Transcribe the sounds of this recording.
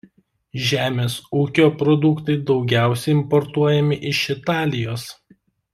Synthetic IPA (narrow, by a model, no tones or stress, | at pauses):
ʒʲæːmʲeːsuːkʲoːpɾɔd̪ʊkt̪ɐɪd̪ɒʊɡʲæˑʊsʲɛɪɪmpɔɾt̪uɔjɛmʲɪʔɪʃɪt̪ɑːlʲɪjoːs